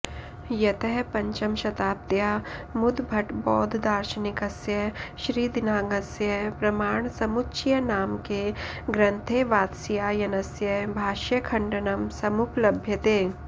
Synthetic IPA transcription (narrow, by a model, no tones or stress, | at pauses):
jɐt̪əɦpɐ̃ɲt͡ʃɐmʃɐt̪aːp̚t̪jaːmʊd̪ʱbʱɐʈbɔːd̪ʱd̪aːɾʃənɪkɐsjɐɦʃɾiːd̪ɪnaːɡɐsjɐpɾɐmaːɳ̃sɐmʊtːʃʰjɐnaːmkeɡɾɐ̃nt̪ʰeːʋaːt̪sjaːjɐnɐsjɐbʱaːʃɐkʰɐ̃ɳɖɐnɐmsɐmʊplɐbʱjɐt̪eː